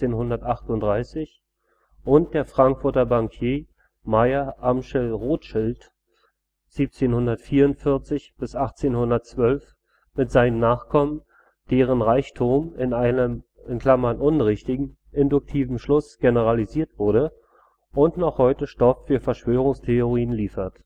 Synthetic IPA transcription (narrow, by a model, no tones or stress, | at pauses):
eːnhʊndɐtʔaχtʊntd̥ʁaɪsɪç | ʔʊnt̚d̥eːɐfʁ̥aŋkfʊɐtɐbaŋkʰjeː | maɪɐʔamʃɛlʁoːtʃɪlt | z̥iːp̚t͡seːnhʊndɐtfiːɐʊntfɪɐt͡sɪçb̥ɪsʔaχt͡seːnhʊndɐtt͡sv̥œlf | mɪtz̥aɪnənːaːχkʰɔmən | d̥eːʁ̞ənʁaɪçtʰuːmɪnaɪnəm | ɪnkl̥amɐnʔʊnʁɪçtɪɡŋ̩ | ʔɪndʊk̚tʰiːvm̩ʃlʊsɡ̥enəʁaliziːɐtv̥ʊɐdə | ʔʊntnɔχhɔʏtəʃtɔfːyːɐfɛɐʃv̥øːʁ̞ʊŋstʰeoʁiːənliːfɐt